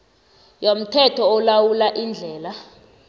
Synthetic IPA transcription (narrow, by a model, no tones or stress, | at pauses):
jom̩tʰɛtʰɔːlawulaʔind͡ɮʱɛːla